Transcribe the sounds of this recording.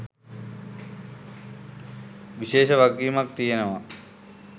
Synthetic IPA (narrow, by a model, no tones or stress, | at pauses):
ʋiɕeːʃəʋaɡiːmak̚t̪ijenəʋa